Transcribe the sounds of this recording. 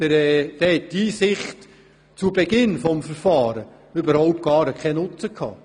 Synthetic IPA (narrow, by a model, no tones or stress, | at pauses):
əɾɛːd̥̪ɛhɛt̚disɪχt | t͡subeɡɪnfɔmfəɾfɑːɾə | øbəɾhɔʊp̚t̚ɡ̥ɑːɾəkʰχɛnʊt͡səkʰhɑ̰ː